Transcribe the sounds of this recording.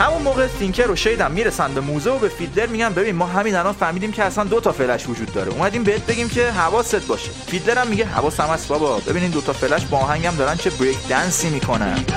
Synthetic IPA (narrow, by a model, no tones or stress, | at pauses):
hæmunmoːɣeliŋcʰeɾoʃejd̪æmːiɾesænd̪be̞muːzeobefit̪le̞ɾmiɟæmbe̞biːnmɒːɦæmiːnælɒnfæɾmiːd̪iːmcʰeæsænd̪ot̪ʰɒfe̞læʃvod͡ʒuːd̪ːɒːɾeumæd̪iːmbeet̪̚be̞ɡʲiːmcʰe̞ɦævɒːset̪̚bɒːʃefid̪leɾæmːiɟeɦæ̰vɒːsæmæsbɒbɒbe̞biniːd̪ot̪ʰɒfelæʃbɒːɦæŋɟæmd̪ɒːɾænt͡ʃʰe̞bɾekʰd̪ænsiːmiːkʰo̞næ̰n̥